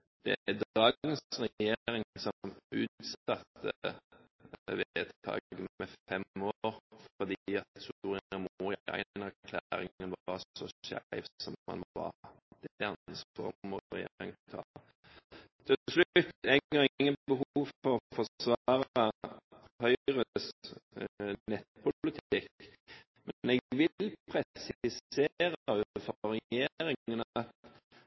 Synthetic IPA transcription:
d̪̥ɛ̰d̪ɑːənsʁɛjeːɾɪŋsɔmʉːt̪sɑt̪ːə̰ | ʋeət̪ʰt̪ʰɑ̰ːɡɡəmɛfɛmːoɾfɔd̪iɑt̪suːɾɪəmuːɾɪæ̰ɪnæʁkʰlæɾɪ̰ŋənʋɑɔɔɕæ̰ɪʋsɔmːɑ̰nʋɑ̰ | d̪̥nsfɔ̰mɔɾɛ̰jeːɾɪŋt̪t̪ʰɑ̰ːlə | t̪ʰɛslʉʉt̪ːɛəɪŋːənbəhuːʋfɔʁfɔʁsʋɑːɾə | hœʏʁəs | nɛt̪̚pʰʊlɪt̪ʰɪkː | mɛnɛɡʋɪlpʰʁɛsɪseːɾʉfɔʁɛjeːɾɪənɑt̪

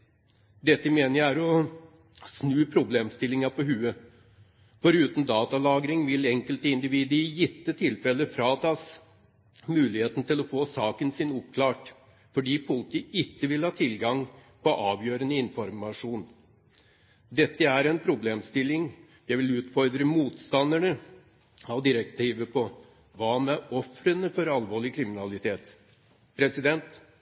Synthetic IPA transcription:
d̪ɛt̪ːəmeːnəjææɾɔ | snʉːpʰɾʊbleːmst̪ɪlːɪŋɑpɔɦʉːə | fɔɾʉːt̪n̩d̪ɑːt̪ɑlɑːɡɾɪŋʋɪlɛŋkəlt̪əɪnd̪ɪʋiːd̪əjɪt̪ːət̪ʰɪlfɛləfɾɑːt̪ʰɑs | mʉːlɪheːt̪n̩t̪ɪlɔfoːsɑːkənsɪnʊpkʰlɑːʈ | fɔɖiːpʰʊlt̪ɪɪtːəʋɪlhɑːt̪ʰɪlɡɑŋpʰɔʔɑːʋjøːɾənəɪnfɔɾmɑʂuːn | d̪ɛt̪ːəæɾɛnpʰɾʊbleːmst̪ɪlːɪŋ | jæɪʋɪlʉːt̪fɔɾd̪ɾəmuːt̪st̪ɑnd̪əɳə | ɑʋd̪ɪɾəkt̪ʰiːʋəpʰɔ | ʋɑːmɛʔɔfɾənəfɔɾɑlʋoːɭɪkʰɾɪmɪnɑlɪt̪ʰeːt̪ | pʰɾɛsɪd̪ɛnt̪

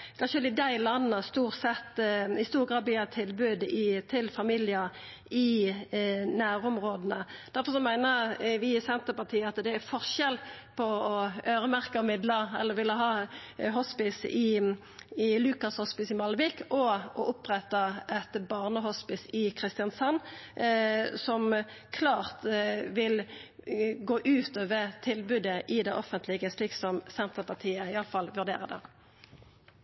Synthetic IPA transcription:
kʰɑnʃəlɪd̪æɪlɑnːənəst̪uːʁsɛt̪ːɪst̪uːɾɡʁɑːd̪bʋɪɑt̪ʰɪlbʉːd̪ɪt̪ʰɪlfɑmilɪə | ɪ | næːɾʊmʁoːd̪ənəd̪̥æɾfɔɾsɔmæɪnəʋɪsɛnt̪əɾpɑt̪ʰiːəɑt̪d̪ɛæfɔʁʃɛl | pʰɔɔøːɾəmæʁkəɔmɪd̪ləɛ̰lːəɾʋɪlːəɦɑːɦɔspɪsɪ | ɪlʉːkɑshɔspɪsɪmɑlʋɪkɔʔɔʔʊpʁɛt̪ːɑɛt̪bɑʁnəɦɔspɪsɪkʰʁɪst̪ɪɑnsɑnː | sɔm | kʰlɑːʁt̪ʋɪl | ɡoːʔʉːt̪ɔʋət̪ʰɪlbʉd̪əʔɪd̪ɛʔɔfənt̪ʰlɪɡəsliːksɔmsɛnt̪ʁəpɑʁt̪ʰiːəɪɑləfɑlʋʉʁd̪ḛːɾəd̪ɛ̰

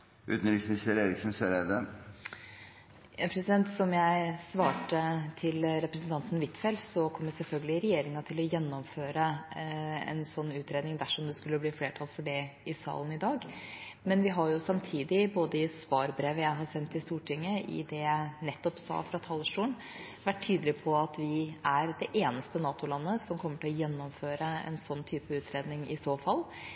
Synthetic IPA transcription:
ʉ̰ːt̪n̩ɾɪksmɪst̪əɾeːɾɪksnseɾɛd̪ə | pʰɾɛsɪd̪ɛnt̪sɔmjæɪsʋɑːʈət̪ʰɪlɾɛpɾəsənt̪ʰɑnt̪n̩ʋɪt̪fɛlsɔkʰɔmjɛsɛlfœlɡəlɪɾɛjeːɾɪŋɑt̪ʰɪlɔjɛnːɔmføːɾə | ɛ̰nsɔnːʉːt̪ʰɾeːd̪nɪŋd̪æʂɔmd̪ɛskʉlːəbliːfleːʈʰɑlfɔɖɛɪsɑ̰ːlənɪd̪ɑːɡmɛnʋɪɦɑɾjʊsɑmt̪ʰiːd̪ɪboːd̪əɪsʋɑːɾbɾeːʋəjæɪɦɑsɛnt̪ɪst̪uːʈʰɪŋːəʔɪ̰d̪ɛjæɪnɛt̪ːɔpsɑ̰ːfɾɑt̪ʰɑləʂʈuːən | ʋæʈʰːyːd̪əlɪpʰɔɑt̪ʋɪæɾd̪ɛʔeːnəst̪ənɑːt̪ʊlɑnːəsɔmkʰɔmːəʈɪlɔjɛnːɔmføːɾəɛ̰nsɔnːt̪ʰyːpəʉːt̪ʰɾeːd̪nɪŋɪsoːfɑl

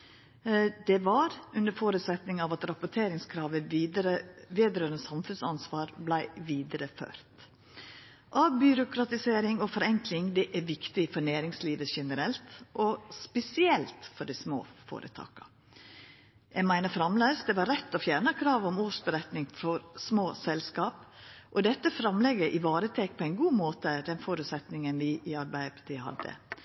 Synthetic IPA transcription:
d̪ɛʋɑɾʉnəɾfoːɾʉt̪sɛt̪nɪŋɑʋɑt̪ɾɑpʊʈʰeːɾɪŋskʰɾɑːʋəɾəʋeːd̪ɾøːɾənəsɑmfʉnsɑnsʋɑːɾblæɪʋiːd̪əɾəfø̰ːɾt̪ | ʔɑbʏɾʊkɾɑt̪ɪseːɾɪŋɔfɔɾɛŋklɪŋd̪ɛʔæɾʋɪkt̪ɪfɔnæːɾɪŋsliːʋəʃɛnəɾɛlt̪ʔɔspɛsɪɛlt̪fɔɖismo̰ːfo̰ːɾʔə̰t̪ʰɑ̰ːkɑ̥ | jæɡmæɪnəfɾɑmlæːsd̪ɛʋɑɾːɛt̪ːɔfjæɾɳəkʰɾɑːʋɔmuːʂbəɾɛt̪nɪŋfɔɾsmoːsɛlskɑːp | ʔɔd̪ɛt̪ːəfɾɑmlɛɡəɾʔɪʋɑːɾət̪ʰeːk̚pʰɔæɪnɡuːmoːt̪əd̪ɛnfoːɾʉːt̪sɛt̪nɪŋənʋɪʔɪɑɾbæɪəpʰɑt̪ʰiːhɑ̰d̪ːə̰

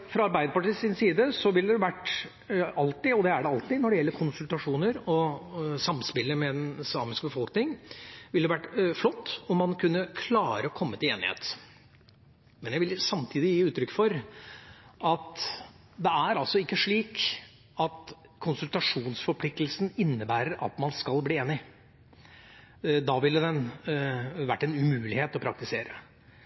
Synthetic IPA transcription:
fɾɑɑɾbæɪd̪əpɑʈiːsɪnsiːd̪əsɔʋɪlːəd̪ɛʋæʈː | ɑlt̪ɪɔd̪ɛæɖɛɑlt̪ɪnɔɖɛjɛlːəɾkʰʊnsʉlt̪ɑʂuːnəɾɔsɑmspɪlːəmɛd̪ɛnsɑ̰ːmɪskbəfɔlknɪŋʋɪlɛʋæʈːflɔt̪ːɔmːɑnkʰʉnːəkʰlɑːɾəɔkʰɔmːət̪ɪleːnɪ̰hḛːt̪ | mɛnjæɪʋɪlsɑmt̪ʰiːd̪ɪjiːʉːt̪ɾʏkːfɔɾ | ɑt̪ | d̪ɛæɾɑlsɔɪkːəʂɭiːk | ɑt̪ | kʰʊnsʉlt̪ɑʂuːnsfɔɾpʰlɪk̚t̪əlsn̩ɪnːəbæːɾəɾʔɑ̰t̪mɑnskɑlbliːeːnɪ | d̪ɑːʋɪlːəd̪ɛn | ʋæʈːɛnʉmʉːlɪheːt̪ɔpʰɾɑk̚t̪ɪseːɾə

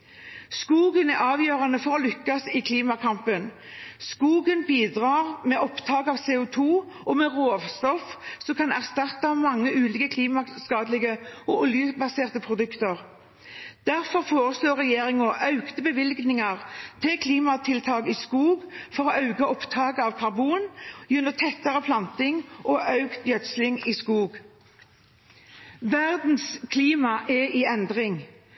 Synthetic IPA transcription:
skuːɡənæʔɑːʋjøːʁɑnəfɔʁɔlʏkːɑsɪkʰliːmɑkʰɑmpən | skuːɡənbiːd̪ʁɑːʁmɛʔɔpt̪ʰɑːɡɑːʋseːʊt̪ʰuː | ɔmɛʁoːʋst̪ɔfsɔmkʰɑnæʁst̪ɑt̪ːɑmɑŋːəʔʉːliːkəkʰliːmɑskɑːd̪lɪɡəɔʔʊljəbɑseːʁt̪əpʰɾʊd̪ʉkt̪əʁ | d̪̥æʁfɔʁfoːʁəsloːʁɛjeːʁɪŋɔʔɑʉkt̪əbəʋɪlɡnɪŋɑʁt̪ʰɪkʰliːmɑt̪ʰɪlt̪ʰɑːɡiːskuːɡfɔʁɔʔɑʉɡəɔpt̪ʰɑːɡəɑʋkʰɑʁbuːnjʉnːɔt̪ʰɛt̪ːəʁəpʰlɑnt̪ɪŋʔɔʔɑʉkt̪jœt̪slɪŋiːskuːɡ | ʋæʁd̪n̩skʰliːmɑʔɛʔiːɛnd̪ʁɪŋ

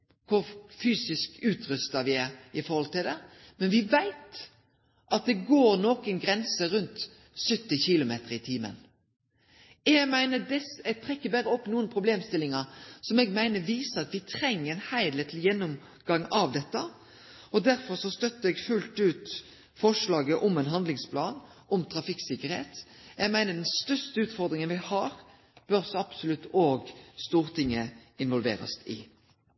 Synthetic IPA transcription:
kʰʊɾfyːsɪskʉːt̪ʰɾʉst̪ɑʋɪæɾɪfɔɾhɔlt̪ɪld̪ɛ | mɛnʋɪʋæɪt̪ | ʔɑt̪̚d̪ɛɡoːɾnɔːkənɡɾɛnsəɾʉnt̪ | sœt̪ːɪçɪlʊmḛːt̪əɾɪt̪ʰiːmə̰n | ɛɡmæɪnəd̪ɛsɛɡ̚t̪ʰʁɛkːəbæɾəɔpːnuːənpʰɾʊbleːmst̪ɪlːɪŋɑsɔmɛɡmæɪnəʋiːsəɾɑt̪ʋɪt̪ʰɾɛŋːəɛnhæɪd̪lɛt̪ʰl̩jɛnːɔm | ɡɑŋːɑʋd̪ɛt̪ːə | ɔd̪æɾfɔɾsɔst̪œt̪ːəɛɡfʉlt̪ʉːt̪ | fɔʂlɑːɡəʔɔmɛnɦɑnd̪lɪŋspʰlɑːnɔmt̪ʰɾɑfɪksɪkːəɾhḛːt̪ɛɡmæɪnəd̪ɛnst̪œst̪əʉːt̪fɔɾd̪ɾɪŋənʋɪhɑːɾ | b̥øɾsɔɑb̥sʊlʉt̪ːoːɡst̪uːɾt̪ʰɪŋːəɪnʋɔlʋḛːɾə̰st̪ɪ̰

